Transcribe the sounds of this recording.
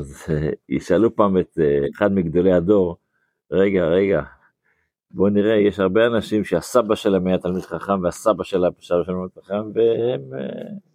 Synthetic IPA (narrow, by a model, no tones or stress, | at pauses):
azjḭʃalupaːmet̪ːχad̪miɡd̪o̞lead̪o̞ʁ | ʁe̞ɡaʁe̞ɡa | bo̞niʁejeʃhaʁbeanaʃimʃeasabaʃelemajat̪almid̪̥χaχamveasabaʃelabʃabaʃelamid̪χaχamvehem̰